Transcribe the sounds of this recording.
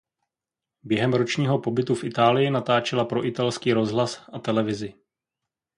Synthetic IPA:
bjɛɦɛmɾo̞t͡ʃɲiːɦo̞po̞bɪt̪ufʔɪt̪aːlɪjɪnat̪aːt͡ʃɛlapɾo̞ʔɪt̪alskiːɾo̞zɦlasʔat̪ɛlɛvɪzɪ

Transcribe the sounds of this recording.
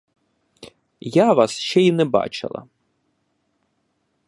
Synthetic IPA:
jaʋɑsʃt͡ʃɛinɛbɑ̰t͡ʃɪ̰lˠɐ̰

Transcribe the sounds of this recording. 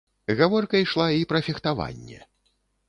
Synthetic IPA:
ɣavɔrkɐjʂlˠaipɾɐfʲixt̪ava̰nʲːɛ̰

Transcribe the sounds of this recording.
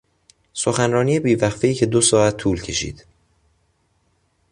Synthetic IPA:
so̞xænɾɒːnijebiːvæxfeiːcʰe̞d̪osɒːæt̪ʰːuːlcʰe̞ʃḭːd̪̥

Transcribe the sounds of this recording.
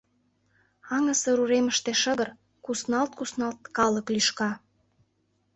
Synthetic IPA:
ɑŋə̆seɾuɾeməʃt̪eʃə̆ɣə̆r | kusnɑlt̪̚kusnɑlt̪kɑlə̆klyʃkɑ

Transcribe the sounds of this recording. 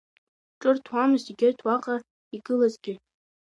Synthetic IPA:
ʈ͡ʂʼɨrtʰwamɨziɡʲertʰwaqʼa | iɡɨlazɡʲɪ

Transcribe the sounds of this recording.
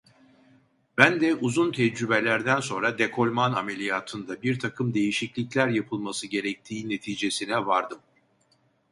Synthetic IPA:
bænd̪ɛʔuzunt̪ʰɛd͡ʒɾybe̞lʲæɾd̪ænso̞nɾad̪ekʰo̞lʲmanamelʲijaːt̪ʰɯnd̪abiɾt̪ʰakʰɯmd̪e̞jiʃiclʲiclʲæɾjapʰɯlˠmasɯɟe̞ɾɛc̚t̪ʰiːne̞t̪ʰiːd͡ʒe̞sinɛvaɾd̪ɯm

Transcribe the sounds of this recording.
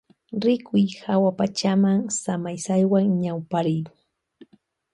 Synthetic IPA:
ɾɪkʊjhawapat͡ʃamaŋsamajsajwaŋɲawpaɾɪj

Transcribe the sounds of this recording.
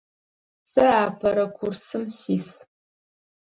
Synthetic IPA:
sɐaːpʰɐɾɐkʷʰʊrsɨmsiːs

